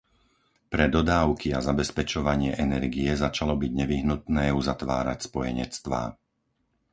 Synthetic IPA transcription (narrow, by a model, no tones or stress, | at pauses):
pɾɛd̪ɔd̪aːʊkiazabɛspɛt͡ʃɔʋaɲɪɛʔɛnɛɾɡiɛzat͡ʃalɔbiɟɲɛʋiɦnut̪nɛːuzat̪ʋa̰ːɾa̰cspɔjɛɲɛt͡st̪ʋa̰ː